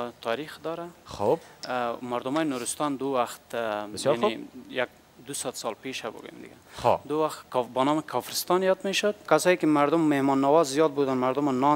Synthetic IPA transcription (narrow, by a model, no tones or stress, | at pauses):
t̪ʰɑɾixd̪ɔɾaxobmaɾd̪ʊmɔjinuɾust̪ɑnd̪uwaxt̪anjak̚ | d̪usad̪sɑlpeʃabʊ̰ɡṵjḛmd̪ɪ̰ɡaxd̪uwaxt̪kbɔnɔmkʰɔfɾɪst̪ɑnjɔd̪meʃʊd̪kasɔikimaɾd̪ʊmːehmɔnːawɔzːijɔd̪̚bud̪anmaɾd̪ʊmanɔ